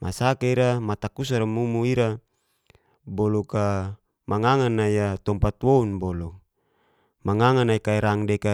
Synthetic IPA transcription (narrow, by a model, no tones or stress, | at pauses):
mʔasakaiɾamat̪akusaɾamumuiɾa | bɔluka | maŋaŋanaijat̪ɔmpat̪wounbɔlu | maŋaŋanaikaiɾaŋdeka